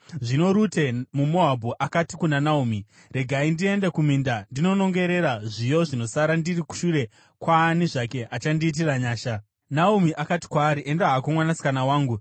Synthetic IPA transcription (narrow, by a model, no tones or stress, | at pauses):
ʐino̞ɾute̞mumo̞ɦabʱoʔakatikunanaumi | re̞ɡʱaindie̞ndekumindandino̞no̞ŋɡe̞ɾe̞ɾaʐijo̞ʐino̞saɾandiriku̥ʃuɾe̞ | kwaːniʐake̞ʔat͡ʃandiːt̬iraɲaːʃa | naumiʔakati̥kwaːɾiʔe̞ndaɦakomwanasi̥kanawaːŋɡu